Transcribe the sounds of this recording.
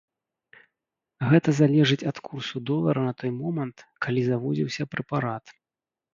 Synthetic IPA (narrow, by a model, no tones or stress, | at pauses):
ɣɛt̪ɐzalʲɛʐɨt͡sʲɐt̪kursud̪ɔlˠɐɾɐnɐt̪ɔjmɔmɐnt̪kʰalʲizavɔd͡zʲiwsʲɐpɾɨpaɾat̪